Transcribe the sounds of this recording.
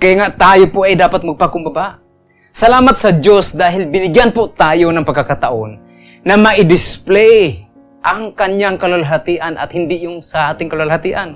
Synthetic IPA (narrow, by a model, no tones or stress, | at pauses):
kajŋaʔt̪aːjopʊʔajd̪aːpat̪̚maɐɡ̚pakʊmbabaʔ | sɐlaːmat̪̚sɐd͡ʒjosd̪aːɦɪlbɪnɪɡjanpʊt̪aːjonaŋpɐɡkːakat̪aʔonː | amaʔɪd̪ɪsplɛj | ʔaŋkaɲjaŋkalalɦat̪iʔana̰t̪hɪnd̪ɪʔjʊŋsaaːt̪ɪŋkalalhat̪iʔan